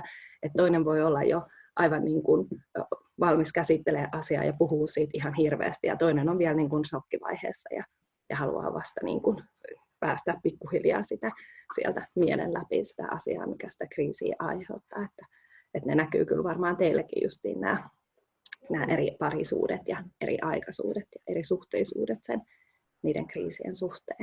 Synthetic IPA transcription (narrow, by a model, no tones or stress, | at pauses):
et̪tːoineʋʋoiolːɑjjo̰ | ʔɑiʋɑnniːŋkun | ʋɑlmiskæsit̪ːeleʔɑsiɑ̰ːjɑpuhuːssiːt̪ihɑnhirʋḛːst̪ijɑ̰t̪oinenoʋʋiɛlniːŋkunsokːiʋɑ̰ihḛːsːɑjɑ̰ | jɑhɑlṵɑ̰ːʋɑst̪ɑnḭːŋkun | pæːst̪æːppikːuhiljɑ̰ːsit̪æsiɛlt̪æmiɛlḛnlæpḭsi̥t̪æ̰ʔɑsḭɑ̰ːmikæsi̥t̪ækriːsḭːʔɑiheut̪ːɑːet̪ːæ̥ | et̪nenæky̰ːkylʋɑrmɑːnt̪eilːækḭjṵst̪ḭːnnæ̰ː | næːʔeripɑrisṵːdet̪jɑeɾʔḭʔɑikɑsṵːdet̪jɑʔeɾisuht̪eisuːdet̪sen | niːdḛŋkriːsiḛnsuht̪eːn